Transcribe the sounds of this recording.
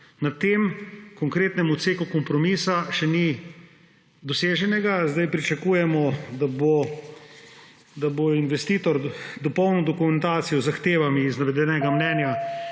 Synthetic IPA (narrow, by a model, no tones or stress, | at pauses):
nat̪eːmkɔŋkɾeːt̪nɛmɔt̪seːkukɔmpɾɔmiːsaʃɛni | d̪ɔseːʒɛnɛɡazd̪ajpɾit͡ʃɐkuːjɛmɔd̪abo | d̪aboinʋɛst̪iːt̪ɔɾd̪ɔpɔwnɔd̪ɔkumɛnt̪aːt̪sijɔzaxt̪eːʋamiːznaʋɛd̪ɛnɛɡamnɛːnja